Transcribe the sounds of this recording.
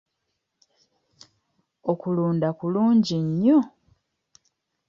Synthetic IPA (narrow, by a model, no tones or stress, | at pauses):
okuluːndakuluːɲɟiɲːo